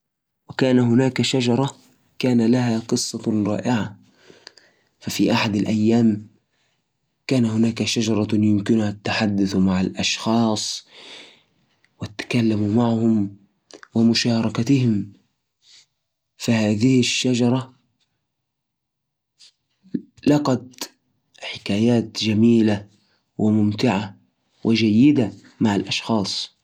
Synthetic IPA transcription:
wɪkaːnaɦʊnaːkaʃad͡ʒɑɾˤɑ | kaːnalaɦaːqɨsˤːɑɾˤɑ̰ːʔɪʕa | fafiːʔaħad̪alʔajːaːm | kaːnahʊnaːkaʃad͡ʒɑɾˤɑjʊmkɪnʊhat̪ːaħad̪ːʊθmaʕalʔɑʃxɑːsˤ | wɪt̪ːḁkalːamumaʕhʊm | wɪmʊʃɑːɾˤɑkat̪ɪhɪm | fahaːðɪhɪʃːad͡ʒɑɾˤɑ | lɑqɑt̪ | ħɪkaːjaːt̪d͡ʒamiːla | wʔɪmʊmt̪ɪʕa | wʔɪd͡ʒajːɪd̪a | maʕalʔɑʃxɑːsˤ

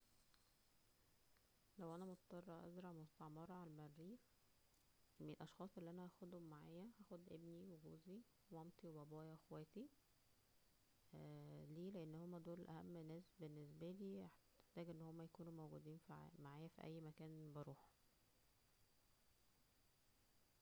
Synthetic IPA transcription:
læwʔænæmot̪t̪ˤːɑrˤːɑʔæ̰zɾˤɑʕmost̪ɑʕmɑɾˤɑʕalmæɾːiː | melʔɑʃxɑːsˤʔelːiʔænæʔæxod̪homːaʕaːjæhæːxod̪ʔebniweɡuːzi | ɑmt̪iwebæbæːjɑʔexwæːt̪i | liːleʔenːhomːæd̪oːlʔæhæmːnːæːsbenːesbæliːeħ | eħt̪æːɡʔenːhomːæjækuːnumowɡud̪iːnfmaʕaːjæfḭʔæ̰jːmækæːnbɑɾˤuːħ

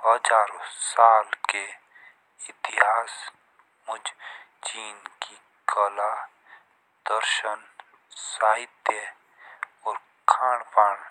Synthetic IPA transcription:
həd͡ʒaːɾosaːlke | ɪt̪iɦaːs | mʊd͡ʒt͡ʃiːnki | kəla | d̪̥əɾʃən | saːɦɪt̪e | ɔːɾ | kʰaːɳpaːɽ

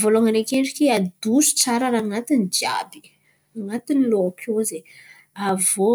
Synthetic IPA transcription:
voloaŋanekeɳɖ͡ʐikiad̪usu̥t͡saɾaɾaŋat̪inid͡ʒia̰bi̥ | aŋat̪iniloakʰoze | avo

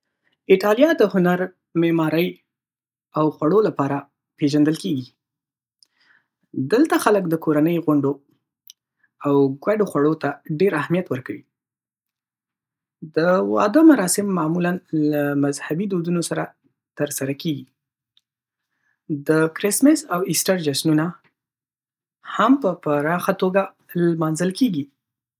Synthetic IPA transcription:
iʈɑljɑd̪əhʊnaɾ | memɑɾəj | awxwaɽolapɑɾa | peʒand̪əlkeɡi | d̪əlt̪axaləkd̪əkoɾanəjɣʊɳɖo | awɡwaɖoxwaɽot̪aɖeɾahmijat̪wəɾkawi | d̪əwɑ̰d̪əmaɾɑsɪmːɑmulanlamazhabid̪od̪unosaɾa | t̪əɾsaɾakeɡi | d̪əkɾɪsmɪsawɪsʈaɾd͡ʒasnuna | hampəpaɾɑxat̪oɡa | lmɑnzəlkeɡi

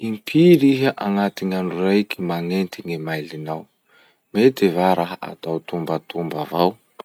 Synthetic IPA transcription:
impʰiɾiɦaʔaŋat̪iɲanurajkimaŋent̪iŋimajlinaw | met̪evaɾaɦəʔa̰t̪awt̪umbat̪umbavaw

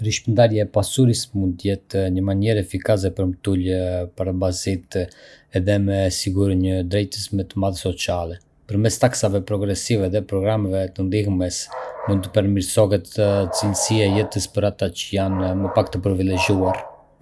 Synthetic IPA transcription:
ɾiʃpənd̪aɾjɛɛpasuɾismund̪t̪əjɛt̪ɲəmaɲɛɾɛfikas̬ɛpəɾmt̪ulpaɾabazit̪ | ɛðɛmɛsiɡuɾɲəd̪ɾɛjt̪əsmɛt̪əmaðsɔt͡sijalɛ | pəɾmɛst̪aksavɛpɾɔɡɾɛsivɛðɛpɾɔɡɾamɛvɛt̪ənd̪ihmɛsmund̪t̪əpɛɾmiɾsɔɦɛt̪t͡sinsiajɛt̪əspəɾat̪at͡ʃəjanməpakt̪əpɾivilɛɟuaɾ

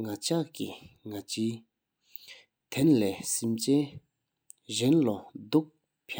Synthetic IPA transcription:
ŋat͡ɕaʔkiŋat͡ɕiː | t̪ʰenlɛːsimt͡ɕɛː | ʑenlɔd̪uk̚ | pʰa

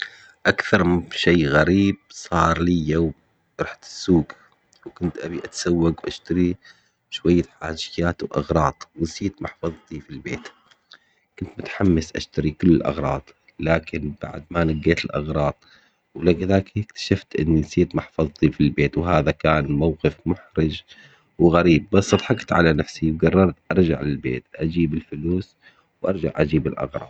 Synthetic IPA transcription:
ʔakθɑɾˤʃeːɣaɾiːb̥̚sˤɑːɾˤliːjoːm | ɾˤɑħt̪ɪ̥sːuːɡ | wkʊnt̪ʔabiʔat̪ḁsawːaɡwʔaʃt̪aɾi | ʃwajːaħa̰ːd͡ʒɪjaːt̪wʔɑ̰ɣɾˤɑːt̪ˤwɪnsiːt̪mɑħfɑðˤt̪ifilbeːt̪ | kʊnt̪mʊt̪ħamːasʔa̰ʃt̪aɾikʊlːɪlʔɑ̰ɣɾˤɑːt̪ˤ | laːkɪnb̥a̰ʕd̪manaɡeːt̪ɪlʔɑ̰ɣɾˤɑːt̪̚ˤ | wlaɡðaːkkt̪ḁʃaft̪ʔɪnːinsiːt̪mɑħfɑðˤt̪ifilbeːt̪wɦaːðakaːnmawqɪfmʊħɾɪd͡ʒ | wɪɣaɾiːbːɑsˤːɑd̪ˤħɑkt̪ʕa̰lanafsiwɡɑrˤːɑɾˤt̪ʔɑɾˤd͡ʒa̰ʕlɪlbḛːt̪ʔad͡ʒiːbɪlfʊluːs | wʔɑɾˤd͡ʒa̰ʕʔad͡ʒiːbɪlʔɑ̰ɣɾˤɑ̰ːd̪

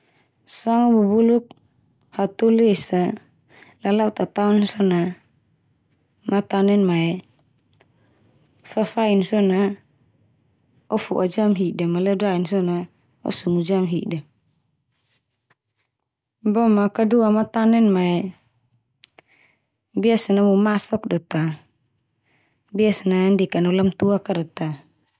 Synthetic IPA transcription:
saŋabubuluk̚ | hat̪ulisa | lalaut̪at̪aunsɔna | mat̪anɛnmaɛ | fafainsɔna | ɔfuʔad͡ʒamɦidamalɛdainsɔna | ɔ̰sumud͡ʒamɦida | bɔmakaduamat̪anɛnmaɛ | biasanamumasɔk̚dɔt̪a | biasanandikanɔlamt̪uakadɔt̪a

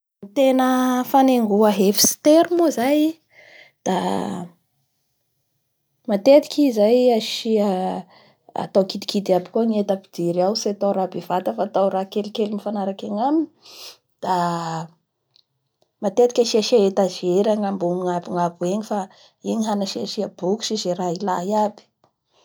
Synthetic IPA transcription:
mit̪enəfaneŋɡuəɦefi̥st̪eɾumozaj | d̪̥a | mat̪et̪i̥kʲizajaʃiə | a̰t̪awkid̪i̥kid̪iabi̥koŋiet̪api̥d̪iɾawset̪awɾabevat̪əfaːt̪awɾakelikelimifanaɾakaɲamini̥ | d̪̥a | mat̪et̪ikʲaʃiaʃiaet̪azeɾaŋambuŋiŋabuŋabueɲifa | iɲiɦanaʃiaʃiəbuku̥ʃizeɾailaiabi̥

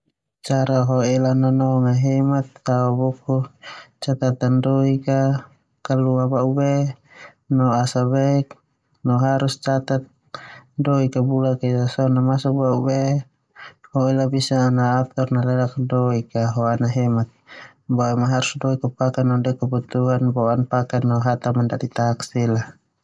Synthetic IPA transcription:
t͡ʃaɾaɦɔɛlananɔŋaɦɛmat̪ːaubɔkut͡ʃat̪at̪andɔika | kaluabaubɛ | nɔasaβɛk | nɔɦaɾust͡ʃat̪at̪̚ | dɔikabulakaitasɔnamasɔk̚baubɛ | hɔilabisanaːt̪ɔrnalɛlak̚dɔikaɦɔanaɦɛmat̪̚ | bɔɛmaɦaɾusdɔikapakanandɔkabut̪uɦanbɔanpakanːɔɦat̪amandadit̪aksila

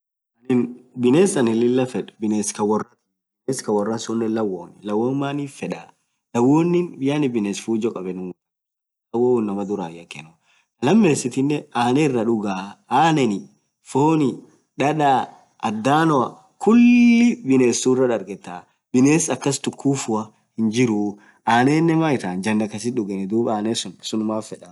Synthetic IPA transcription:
ɐnɪnbɪneːsɐnɪlɪlːɐfɛᶑbɪneːskɐwɐrɐ | bɪneːskɐwɐrːɐnsɔnːɛlɐwːoːnɪlɐwːoːnmaːniːfɛᶑaː | lɐwːoːnːɪnbɪjaːnɪbɪneːsfuːd͡ʒɔkʼɐbɛnʊt̪ | lɐwownːɐmɐd̪ʊɾaːjɐkːɛnɔ | kɐlɐmːeːsɪt̪ɪnːɛaːnɛɪrːɐᶑʊɡaːaːnɛnɪ | foːnɪ | ᶑɐᶑaː | ɐd̪ːaːnɔɐ | kʰʊlːɪbɪneːsurɐᶑɐɾɡɛt̪ːaː | bɪneːsɐkːɐst̪ʊkːuːfʊɐ | hɪnd͡ʒɪɾʊ | aːneːnːɛmaːɪt̪aːnd͡ʒɐnːɐkːɐs̬ɪᶑʊɡɛnɛd̪uːbaːneːsʊnsʊnʊmaːfɛᶑa

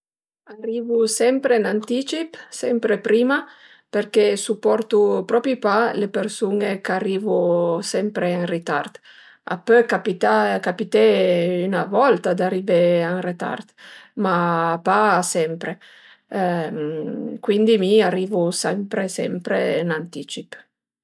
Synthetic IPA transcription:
ariːvusɛmpɾenant̪it͡ʃipsɛmpɾepɾiːma | peɾkesupːɔɾt̪upɾɔpipalepeɾsunekarːiːvusɛmpɾeaŋrit̪a̰rt̪ | a̰pːøkapit̪akapit̪eynavɔlt̪ad̪ariveaŋret̪a̰rt̪mapaːsɛmpɾe | kwind̪imiariːvusɛmpɾesɛ̰mpɾḛnant̪it͡ʃip

